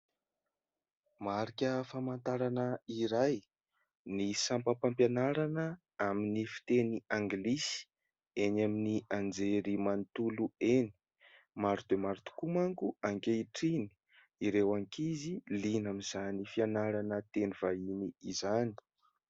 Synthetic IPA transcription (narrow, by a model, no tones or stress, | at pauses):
maɾikʲəfamant̪aɾanəiɾaj | nisampəpampjanaɾanə | aminifi̥t̪eniaŋɡlisi̥ | enaminiand͡zeɾimant̪ulueni̥ | maɾut̪emaɾut̪u̥kumaŋkuaŋkʲeiʈ͡ʂini̥ | iɾewaŋkizilinamizanifianaɾanət̪enivainiizani̥